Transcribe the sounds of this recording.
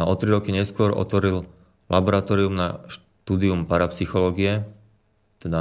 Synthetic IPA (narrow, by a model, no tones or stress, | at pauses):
ɔt̪ɾiɾɔkiɲɛskʊɔɾɔ̰t̪ʋɔɾil | labɔɾat̪ɔːɾiumnaʃ | t̪uːd̪iumpaɾapsixɔlɔːɡiɛ | t̪ɛd̪a